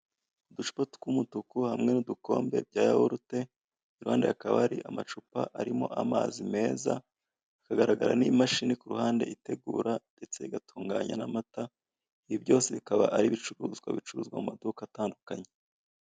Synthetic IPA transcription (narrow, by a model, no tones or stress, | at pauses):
uduʃu̥patu̥kumutukuhamŋe̞nuduko̞̰ːmbe̞b̚ɟaːjahoɾute̞ | iɾuha̰ːnde̞jakaβaɾḭʔamat͡ʃupa̰ʔaɾimo̞ʔamazime̞ːza̰ | ikaɡaɾaɡaɾa̰nimaʃinikuɾuhaːnde̞̰ʔite̞ɡuːɾande̞t͡se̞iɡatʰuːŋɡaɲanamata | iβibjo̞ːseβikaβaʔaɾiβit͡ʃuɾuːzɡwa̰βit͡ʃuɾṵːzɡwa̰mumadukataːndukaɲe